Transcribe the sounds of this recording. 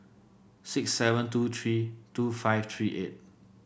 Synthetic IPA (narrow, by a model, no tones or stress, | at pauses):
sɪksːɛvə̃ntuːt̪ʰɹitufaɪft̪ʰɹiːʔḛt̚